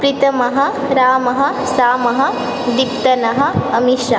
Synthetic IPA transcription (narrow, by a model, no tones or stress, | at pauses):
pɾit̪ɐmɐɦɐ̆ | ɾaːmɐɦɐ̆ | saːmɐɦɐ | d̪ipt̪ɐnɐɦɐ̆ɐmiʃa̰ː